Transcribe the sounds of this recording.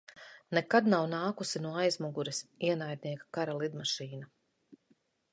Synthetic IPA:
nɛkad̪nawnaːkusinuɔajzmuɡuɾɛsiɛnajd̪̚niɛkḁkaɾalˠid̪maʃiːna

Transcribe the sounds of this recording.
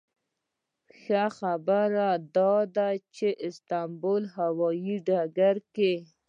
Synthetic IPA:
xaxabəɾad̪ɑd̪at͡ʃeʔɪst̪ambolɦawɔjiɖaɡaɾke

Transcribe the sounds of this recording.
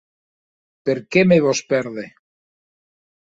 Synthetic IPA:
peɾkemeβospeɾðe

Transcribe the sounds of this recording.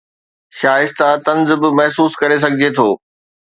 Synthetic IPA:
ʃaːɪst̪at̪ɐ̃nzbɪmɐɦsuːskɐɾes̬ɐɡʱɪd͡ʑet̪ʰoː

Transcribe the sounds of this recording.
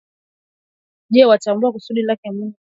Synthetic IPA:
ʄɛwat͡ʃambuakusuɗilakɛmuɔ

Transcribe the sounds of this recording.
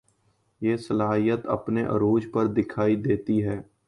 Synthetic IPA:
jeːsəlaːɦijət̪ə̰pneʔə̰ɾoːd͡ʒpəɾd̪ɪkʰaːid̪eːt̪iɦɛː

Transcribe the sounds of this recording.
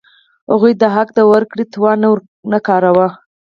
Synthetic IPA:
ha̰ɣujd̪əɦakd̪əwəɾkɽit̪wɑn | nakɑɾawa

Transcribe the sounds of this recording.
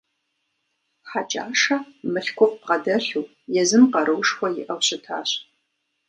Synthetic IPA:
ħat͡ʃʼaːʂɐmɨɬkʷʰɔqʷpʁɐdɐɬuː | jɛzɨmqɐɾɨwʂxʷɔjɪ̰ʔɐwɕʼɪtʰa̰ːɕ

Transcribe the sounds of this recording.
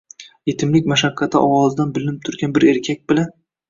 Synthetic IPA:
je̞t̪ʰɪmlɪkʲmaʃakʰːɑt̪ʰɪʔɒwɒzɪd̪anbɪlɪnɪp̚t̪ʰʊɾɡʲanbɪɾe̞ɾkʲʰak̚ʲbɪlan

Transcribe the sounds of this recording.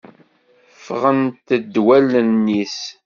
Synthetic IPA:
fʁənt̪əd̪ːwælənːis

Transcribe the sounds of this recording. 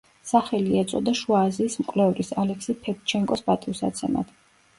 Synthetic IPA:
saχɛliɛt̪sʼɔd̪aʃuaːziːsmkʼlɛvɾisalɛksipʰɛpt͡ʃʰɛŋkʼɔsbat̪ʼimsa̰t̪sʰɛma̰d̪̥

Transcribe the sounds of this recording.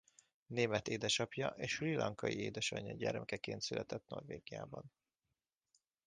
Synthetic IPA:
neːmɛt̪eːd̪ɛʃɒpjɒʔeːʃrilɒŋkɒjieːd̪ɛʃɒɲːɒɟɛrmɛkɛkeːnt̪sylʔɛt̪ɛt̪no̞̰rveːɡija̰ːbɒn

